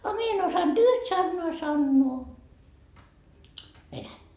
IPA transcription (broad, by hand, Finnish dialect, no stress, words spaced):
ɑ mie en osɑnd̥ yht sɑnːoɑ sɑnːoː ʋenætːæ